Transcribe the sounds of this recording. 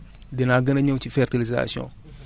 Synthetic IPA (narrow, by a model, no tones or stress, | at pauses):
denaɡɐnɐɲɐt͡ʃifɛɾtiliza̰siɔ̰̃